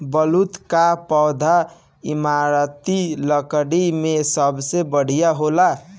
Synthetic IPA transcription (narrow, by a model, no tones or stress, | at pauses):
bəlut̪kapɔwd̪ʱa | imaɾət̪iləkɽimesəbsebəɽ̤ijaɦola